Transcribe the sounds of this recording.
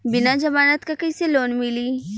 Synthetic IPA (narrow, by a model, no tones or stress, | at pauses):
bɪnad͡ʒɐmaːnat̪kakɐiseloːnmɪliː